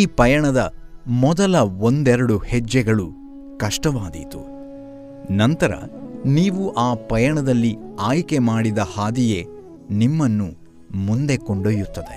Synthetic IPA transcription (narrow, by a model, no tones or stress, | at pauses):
iːpɐjɐɳɐd̪ɐmɔd̪ɐlɐond̪ɛɾɐɽuhɛd͡ʒːɛɡɐɭu | kɐʂʈɐʋaːd̪ḭt̪u | nɐnt̪ɐɾɐ̰niːʋuʔaːpɐjɐɳɐd̪ɐlːiaːjke̞maːɽid̪ɐhaːd̪ije̞ | nimːɐnːu | mund̪e̞koɳɖojut̪ːɐd̪e̞̰